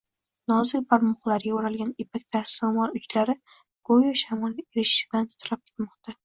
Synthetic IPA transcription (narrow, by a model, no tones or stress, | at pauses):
nɒzɪlbʰaɾmʊχlˠaɾɪɡʲaoɾalɡʲanepʰakʲt̪ʰasamɒɾʊt͡ʃlaɾɪ | ɡ̥ojɒʃamɒleɾɪʃɪblant̪ʰt̪ʰɾap̚kʲʰe̥t̪mɒqt̪ʰa